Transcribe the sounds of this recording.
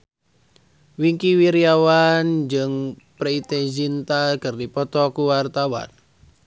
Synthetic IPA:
wiŋkiwiɾiawand͡ʒɨŋ | pɾeit̪ezint̪akɨrdipɔt̪ɔkuwart̪awa̰n

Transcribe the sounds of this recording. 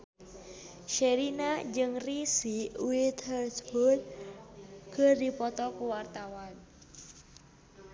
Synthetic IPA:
ʃeɾinad͡ʒɨŋrisiuwiɪt̪ʰərsbɔl | ɡ̥ərdipɔt̪ɔkuwart̪awan

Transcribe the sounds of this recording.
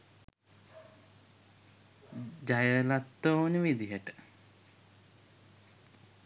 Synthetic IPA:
d͡ʒajəlat̪ːounəʋid̪iɦəʈə̥

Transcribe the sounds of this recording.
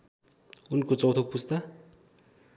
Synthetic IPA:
unkot͡sʌwt̪ʰopust̪ʌ

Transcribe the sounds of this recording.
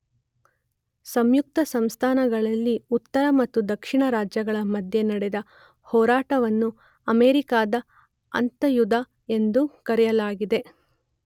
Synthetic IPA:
sɐmjuk̚t̪ɐsɐmst̪ʰaːnɐɡɐɭɐlːiut̪ːɐɾɐmɐt̪ːud̪ɐkʂiɳɐɾaːd͡ʒjɐɡɐɭɐmɐd̪ʱjenɐɽed̪ɐ | hɔːɾaːʈɐʋɐnːu | ɐmeːɾikaːd̪ɐ | ɐ̰nt̪ɐjud̪a | e̞nd̪ukɐɾɛjɐlaːɡid̪e̞

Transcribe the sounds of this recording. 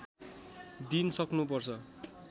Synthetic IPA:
d̪insʌknupʌrt͡sʰʌ

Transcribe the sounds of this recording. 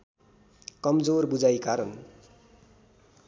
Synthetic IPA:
kʌmd͡zorbud͡zajkaɾʌn

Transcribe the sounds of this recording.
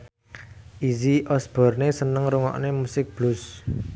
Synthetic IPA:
ʔiziʔɔsb̥ɔ̤rnesənəŋɾuŋɔ̰ʔnemusɪk̚b̥lʊs

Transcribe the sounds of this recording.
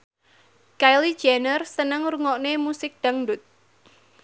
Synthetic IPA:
kajli̥d͡ʒanərsənəŋɾuŋɔʔnemusɪk̚d̥aŋɖʊt̪̚

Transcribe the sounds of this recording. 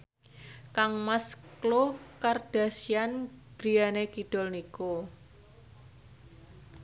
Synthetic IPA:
kaŋmasklokard̥a̤sijanɡ̥ɾijanekiɖ̥ɔ̤lniku

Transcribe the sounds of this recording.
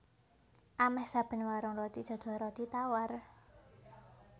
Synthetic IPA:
ʔamɛhsab̥ə̤nwaɾɔŋrɔt̪i̥ʒ̥ɔ̤d̪̥ɔ̤ɾɔt̪it̪awar

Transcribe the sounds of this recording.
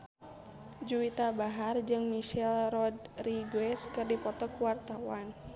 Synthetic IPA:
d͡ʒuit̪abaɦard͡ʒɨŋmiʃɛlrɔdriɡwɛskɨrdipɔt̪ɔkuwart̪awan

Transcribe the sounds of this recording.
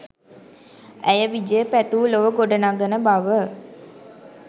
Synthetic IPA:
æjəʋid͡ʒəjəpæt̪uːloʋəɡoɖənaɡənəbaʋə

